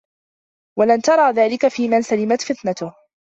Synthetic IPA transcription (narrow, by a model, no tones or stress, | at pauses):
walant̪ɑɾˤɑːðaːlɪkafiːmansalɪmat̪fɪt̪nat̪ʊh